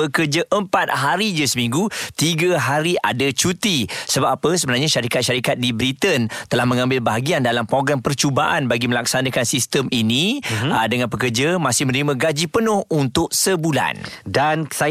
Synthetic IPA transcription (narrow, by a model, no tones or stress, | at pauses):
əkərd͡ʒaʔəmpat̪̚ɦaɾid͡ʒasəmĩŋɡut̪iɡaɦaɾiʔa̰dat͡ʃut̪isəbapapəsəbənarɲaʃaɾikat̪̚ʃaɾikat̪̚dibɾit̪ənt̪əlahmə̃ŋãmbɪlbaɦaɡiandalampɾoɡɾampərt͡ʃubaʔanbaɡiməlak̚sanãkansist̪əminidəŋanpəkərd͡ʒamãsɪhmə̃nɾimãɡad͡ʒipənʊ̃hunt̪ʊʔ̚səbula̰ndansa